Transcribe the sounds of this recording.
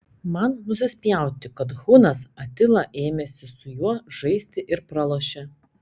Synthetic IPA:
mɐnnʊsʲɪsʲpʲjɛˑʊt̪ʲɪkɐt̪ɣuːnɐsɐt̪ʲɪlˠɐʔeːmʲesʲɪsʊjuɔʒ̥ɐɪsʲt̪ʲɪʔɪɾpɾɐlˠoːʃʲɛ

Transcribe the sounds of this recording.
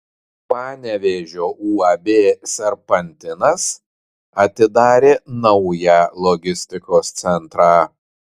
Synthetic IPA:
pɑːnʲɛʋʲeʒʲoːʔuːɑːbʲeːsʲɛɾpɐnʲt̪ʲɪnɐs | ɐt̪ʲɪd̪ɑːɾʲeːnɐʊjælˠɔɡʲɪsʲt̪ʲɪkoːst̪sʲɛnt̪ɾɑː

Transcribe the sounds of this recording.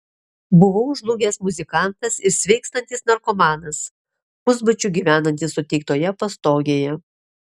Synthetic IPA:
bʊʋoʊʒlˠʊɡʲeːsmʊzʲɪkɑˑnt̪ɐsɪɾsʲʋʲɛɪkst̪ɐnʲt̪ʲɪsnɐɾkɔmɑːnɐs | pʊzbɐt͡ʃʲʊɡʲiːʋʲæːnɐnʲt̪ʲɪsːʊt̪ʲɛɪk̚t̪oːjɛpɐst̪oːɡʲeːjɛ

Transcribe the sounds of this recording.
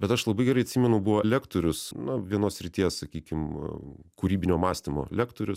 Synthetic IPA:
bʲɛt̪ɐʃlˠɐbɐɪɡʲɛɾɐɪɐt̪ʲsʲiːmʲɛnʊbʊʋoːɛlʲæːkt̪oːɾʲʊsnʊʋʲiɛnoːssʲɾʲɪt̪ʲiɛssɐkʲiːkʲɪm | kuɾʲiːbʲɪnʲoːmɑːsʲt̪ʲɪmo̰ːlʲæːkt̪oːɾʲʊs

